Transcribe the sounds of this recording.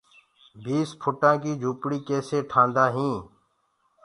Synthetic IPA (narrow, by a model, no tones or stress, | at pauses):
bʱiːspʰʊʈãːkiːd͡ʒʱuːpɽiːkeːseːʈʰãːnd̪aːɦĩː